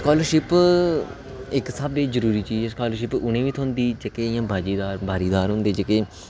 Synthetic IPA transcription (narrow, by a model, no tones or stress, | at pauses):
skaːləɾʃɪp | ɪksəbd̪eːzəɾuːɾiːt͡ʃiːd͡ʒɛːskaːləɾʃɪpʊnẽːʋiːt̪ʰõːnd̪iːd͡ʒəkeːɪjãːbʱaːd͡ʒiːd̪aːɾbʱaːɾiːd̪aːɾɦʊ̃nd̪eːd͡ʒəkeː